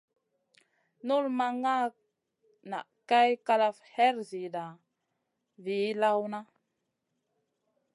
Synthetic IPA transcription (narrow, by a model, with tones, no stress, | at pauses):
nu˦lma˨ŋa˦ | na̰˨ka˦jka˦la˦fhɛ˦ɾzi˨da˨ | vi˨˦la˦wna˦